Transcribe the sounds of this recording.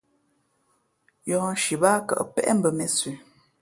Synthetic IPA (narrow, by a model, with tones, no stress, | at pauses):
jɔ̃˨n̩˦ʃi˨ba˦kə̰˨ʔpɛ̰˦ʔm̩˦bə˨me˨sʉ˨